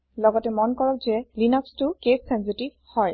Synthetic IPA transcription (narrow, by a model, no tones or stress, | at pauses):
lɔɡɔtɛmɔnkɔɹɔkzɛlinɔkstʊkesːɛnsitiv | hɔj